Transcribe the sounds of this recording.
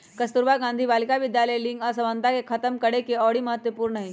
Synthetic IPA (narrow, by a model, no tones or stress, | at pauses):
kəst̪uɾbaɡãnd̪ʱiːʋalkaʋid̪jaləjliŋɡəsəʋənt̪akekʰət̪əmkəɽekeɔɽiːməɦət̪ʋəpuːɾɳəɦi